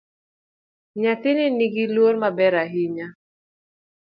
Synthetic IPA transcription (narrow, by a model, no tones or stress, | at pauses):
ɲat̪ɪnɪniɡilwoɾmabɛɾaɦiɲa